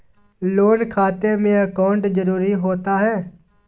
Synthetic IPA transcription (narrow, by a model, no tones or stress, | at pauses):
loːnkʰaːt̪eːmẽːəkaːʊɳʈzəɾuːɾiːɦoːt̪aːɦɛː